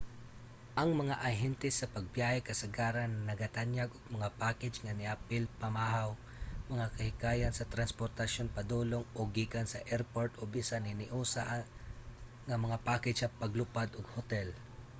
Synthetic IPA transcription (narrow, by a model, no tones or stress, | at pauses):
ʔɐŋmɐŋaʔɐɦɛnt̪ɛsːɐpɐɡ̚bjaːhɛkɐsaɡaːɾanːɐɡat̪anjaɡʊɡ̚mɐŋapaːkɛd͡ʒŋanɪʔapɪlpamaɦaw | mɐŋakɐhɪkaːjansɐt̪ɾanspoɾt̪aʃjonpad̪uloŋoɡːikansɐʔɛɾpoɹt̪ʔobisanɪnɪʔuːsa̰ʔ | ŋamɐŋapaːkɪd͡ʒsɐpaɡlʊpad̪ʊɡhʊt̪ɛl